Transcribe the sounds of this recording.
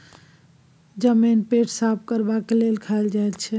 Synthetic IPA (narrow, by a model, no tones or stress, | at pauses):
d͡ʒəminpeʈʰsap̚ʰkəɾbakelelkʰaeld͡ʒajt̪t͡ʃʰɛ